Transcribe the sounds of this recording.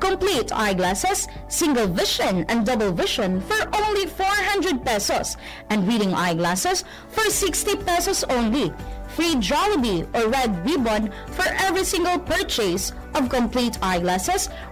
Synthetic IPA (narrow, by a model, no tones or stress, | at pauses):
kɔ̃mplit̪ʰa̰ɪjɡlæsɛsː | ɪ̃ŋɡəlvɪʃɔ̃nɛ̃nd̪ʌbəlˠvɪʃɔ̃nfɔɹʔõʊ̃nlifɔɹɦʌ̃nd̪ɹɛd̪̚pɛsɔs | ʔɛ̃nɹidɪ̃ŋa̰ɪɡlæsɛs | fɔɹsɪkst̪ipɛsɔsõʊ̃nlifɹid͡ʒaləbiɔɹɛd̪̚ɹibɔ̃n | fɔɹʔɛvɹisɪ̃ŋɡəlˠpɛɹt͡ʃes | ʔɔvkɔ̃mplit̪ʰajɡlæsɛs